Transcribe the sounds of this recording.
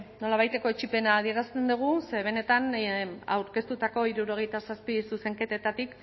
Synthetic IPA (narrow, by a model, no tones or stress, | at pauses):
no̞laβ̞ajt̪e̞ko̞et͡ʃipe̞naːð̞ie̞ɾast̪e̞nd̪uɣ̞use̞βe̞ne̞t̪ana̰wɾke̞st̪ut̪ako̞iɾuɾo̞ɣ̞e̞jt̪asaspisuse̞ŋke̞t̪et̪at̪ik